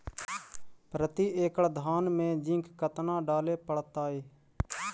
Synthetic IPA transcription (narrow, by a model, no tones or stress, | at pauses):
pɾət̪iːeːkəɽd̪ʱaːnmẽːd͡ʒɪ̃ŋkːət̪nãːɖaːleːpəɽt̪aːɦeː